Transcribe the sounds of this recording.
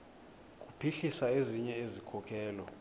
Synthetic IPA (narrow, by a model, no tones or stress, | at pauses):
k̬ʼupʰiɬisaeziɲɛezikʰɔkʰɛːlɔ